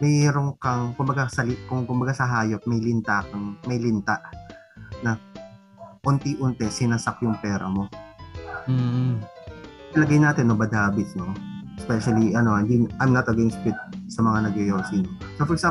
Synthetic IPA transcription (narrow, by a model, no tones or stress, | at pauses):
mɛɾoŋkɐŋkʊmbɐɡasɐlɪkʊŋkʊmbɐɡasɐɦaːjot̪̚mɐjlɪnt̪aːkɐŋmɐjlɪnt̪aʔ | nɐ | ʔʊnt̪iʔʊnt̪ɛsɪnasɐkjʊŋpɛːɾɐ̰mo̞ | ɐlɐɡajnaːt̪ɪnːobɐd̪haːbɪt̪no̞ɛspɛʃɐliʔɐnoɪnd̪iʔɐjmnɐt̪ɐɡɛnst̪pwɪt̪̚sɐmɐŋanɐɡɛjoːsino | sofɔɾɛsa